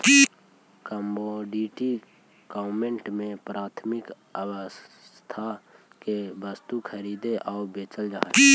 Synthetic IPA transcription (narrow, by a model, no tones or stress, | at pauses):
kəmboɖiːʈi | ɡ̥aːmẽɳʈmẽpɾaːt̪ʰmɪk | əwəst̪ʰakebəst̪ukʰəɾiːd̪eʔɔːbeːt͡ʃəld͡ʒa̰ː